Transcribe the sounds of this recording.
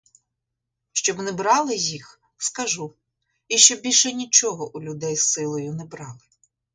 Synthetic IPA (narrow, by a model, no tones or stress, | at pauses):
ʃt͡ʃɔbnɛbɾɑlˠɪjix | skɐʒu | iʃt͡ʃɔbbʲilʲʃɛnʲit͡ʃɔɦɔʔulʲʊd̪ɛjsɪlˠɔjʊnɛbɾɑlˠɪ